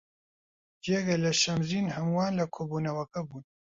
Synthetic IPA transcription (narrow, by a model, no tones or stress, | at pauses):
d͡ʒeːɡɐlɐʃɐmziːnhɐmuwaːnlɐkʰoːbuːnɐwɐkɐbuːn